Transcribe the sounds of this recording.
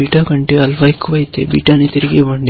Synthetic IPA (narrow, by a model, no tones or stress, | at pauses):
iːʈakɐɳʈeɐlʋɐjkʋɐjt̪ːḛbḭːʈaːnit̪iɾiɡeʋɐɳɖi